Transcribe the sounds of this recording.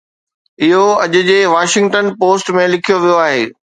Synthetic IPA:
ɪɦoɐʄʊ̆d͡ʑeːʋaːʃɪ̃ŋɡʈənpoːsʈmẽlɪkʰijoʋijoaːɦeː

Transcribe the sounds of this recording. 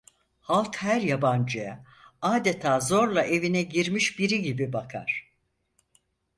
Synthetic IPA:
halˠkhæɾjaband͡ʒɯja | aːd̪et̪ʰaːzo̞ɾlˠaʔe̞vinɛɟiɾmiʃbiɾiɟibibakʰa̰ɾ̥

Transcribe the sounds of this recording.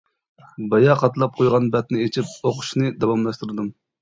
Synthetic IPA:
bɑjɑqʰɑt̪lˠɑp̚qʰojʁɑnbɛt̪nɪet͡ʃʰip̚oqʰʊ̥ʃnɨd̪ɑwɑmlˠɑʃt̪ɨɾɨd̪ɨm

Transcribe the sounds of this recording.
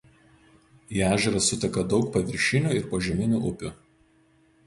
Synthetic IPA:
iːæːʒʲɛɾɐsʊt̪ʲɛkɐd̪ɒʊk̚pɐʋʲɪɾʲʃʲɪnʲuːˑɪɾpoʒʲɛmʲɪnʲuʔʊpʲʊˑ

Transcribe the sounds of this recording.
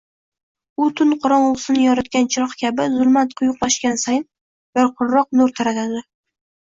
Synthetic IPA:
ʊt̪ʰʊnqʰɒɾɒnʊsɪnɪjɒɾat̪kʲant͡ʃʰɪɾɒχkʲabɪzʊlˠmat̪qʰʊjʊqlaʃkʲansajn | baɾqʰʊɾːɒq̚nʊɾt̪ʰaɾat̪ʰad̪ɪ

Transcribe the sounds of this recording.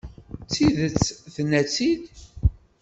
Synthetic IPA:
t͡sːiðət͡sːθənːæt͡sːid̪

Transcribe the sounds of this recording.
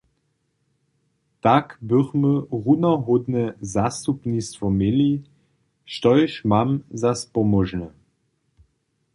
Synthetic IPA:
takbɵʁməʁunɐɦodnəzastupnistfɔmeli | ʃtɔʏʃmamzaspɔmɔʒnə

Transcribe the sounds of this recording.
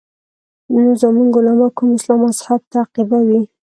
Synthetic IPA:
nozamuŋɡʊlamɑkumɪslɑmashab̚t̪aːqibawi

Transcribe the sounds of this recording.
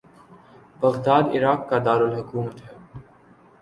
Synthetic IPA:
b̥ɐɣd̪aːd̪ɪ̰ɾaːqːad̪aːɾʊlɦʊkuːmət̪ɦɛː

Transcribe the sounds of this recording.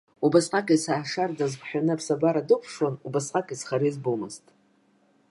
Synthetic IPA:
ubasqʼakʼisaːʂard͡zazpʰħᶣanɨpʰsabaɾadɨpʰʂonubasqʼakʼisχaɾizbumɨztʼ

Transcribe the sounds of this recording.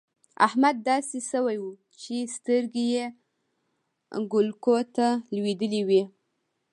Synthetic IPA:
a̰hmad̪ːɑsesəwajwu | t͡ʃest̪əɾɡeje | ɡʊlkot̪alwed̪əliwi

